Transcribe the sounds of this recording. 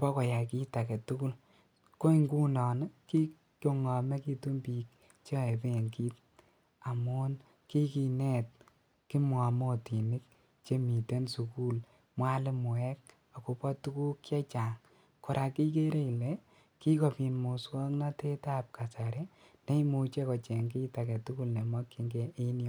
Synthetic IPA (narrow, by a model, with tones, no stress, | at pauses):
pɔ˦kɔ˨ja˨ki˦ta˨kɛ˨tu˦ku˦l | ko˦i˦ŋɡu˦nɔ˨n˦ki˦ | ko˨ŋɔ˨mɛ˦ki˦tu˦mpi˨k̚ | t͡ʃe˦˨e˨pe˦˨ŋki˦t̚ | a˨mo˦n | ki˦ki˨nɛ˦t̚ | ki˦mɔ˨mo˦ti˨ni˦k̚ | t͡ʃe˦mi˨te˦nsu˨ku˦l | mwa˦lɪ˦mʊ˨ɛ˦k̚ | a˨ku˨pɔ˦tu˦ku˦kːa˦t͡ʃa˨ŋ | kɔ˨ɾʔa˨ki˦ke˦ɾe˦i˨le˨ | ki˦ko˨pi˨nmo˨swɔ˦kna˦te˦ta˦p̚ka˨sa˨ɾe˦ | ne˦i˦mu˧t͡ʃe˦kɔ˨t͡ʃe˨ŋki˦ta˨kɛ˨tu˦ku˦lne˨mwɔ˦kːi˧ŋɡe˦ʔe˦njɔ˦